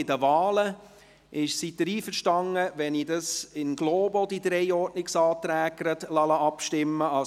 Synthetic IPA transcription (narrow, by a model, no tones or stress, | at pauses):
ɪdəvɑːlə | ʔɪʃsid̥əɾiːfəɾʃtɑŋəʋɛnidɑsɪnɡ̥loːbod̥id̥̪ɾɛɪɔrtnɪksɑːt̪ɾæːɡɾətlɑlɑʔɑpʃtɪmːəɑ